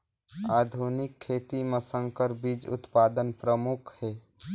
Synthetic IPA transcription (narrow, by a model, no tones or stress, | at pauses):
aːd̪ʱunɪkʰːeːt̪iməsə̃ŋkəɾbiːd͡ʒʊ̰t̪paːd̪ənpɾəmʊkʰhɛː